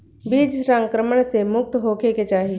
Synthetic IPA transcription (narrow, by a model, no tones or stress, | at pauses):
biːd͡ʒsãŋkɾəməɳ̃semʊk̚t̪ɦoːkʰeket͡ʃaːɦi